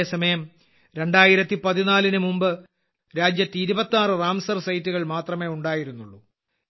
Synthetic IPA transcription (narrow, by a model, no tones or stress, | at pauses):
esɐmɐjɐm | ɾe̞ɳɖaːjiɾɐt̪ːipɐðinaːlinɨmumbɨ | ɾaːd͡ʑjɐt̪ːɨiɾubɐt̪ːaːrɨraːmsɐrsɐjtːuɣɐɭmaːt̪rɐme̞ːuɳɖaːjiɾunːuɭːu